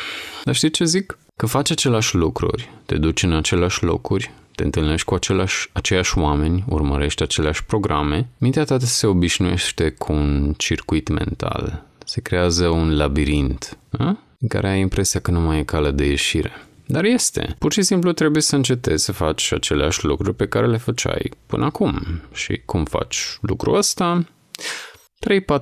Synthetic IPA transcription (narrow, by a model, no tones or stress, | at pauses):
d̪arʃt̪it͡ʃe̞zikː | əfat͡ʃʲat͡ʃe̞leaʃʲlukɾṵrʲt̪e̞̰d̪ut͡ʃɨnat͡ʃe̞leaʃʲlo̞̰kɾurʲt̪e̞ɨnt̪ɨlne̞ʃt̪ʲkuat͡ʃelaʃat͡ʃe̞ljaʃʲwame̞nʲṵrmə̰ɾe̞ʃt̪ʲat͡ʃe̞leaʃʲpɾo̞ɡɾʔame̞mint̪eat̪at̪əse̞o̞biʃnuje̞̰ʃt̪e̞kʰuunt͡ʃirkuit̪me̞̰nt̪a̰lse̞kɾe̞azəunlabiɾint̪nə | ɨka̰ɾe̞ajimpɾe̞siakənumajekaləd̪e̞jeʃiɾe̞̰d̪aɾje̞st̪e̞̰purʃisimplut̪ɾe̞buje̞səɨnt͡ʃe̞t̪e̞z̥ʲsəfat͡ʃʲat͡ʃe̞leaʃʲlukɾurʲpe̞kaɾe̞le̞fət͡ʃa̰jpɨnəakumʃḭkʰumfa̰t͡ʃʲlukɾṵəst̪a | t̪ɾe̞jpa